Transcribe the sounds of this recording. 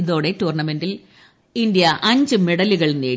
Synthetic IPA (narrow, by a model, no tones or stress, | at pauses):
iðo̞ːɽe̞tuːrɳɐme̞ndil | indijɐʔɐɲd͡ʑɨme̞ɽɐliɣɐɭneː